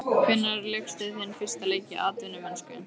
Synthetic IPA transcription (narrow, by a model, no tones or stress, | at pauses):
kʰvɛnːaɾljœɥkst̪ɪðθɛnfɪr̥st̪aleːjcɪʔa̰ːt̪vɪnʏmɛnskʏ̰n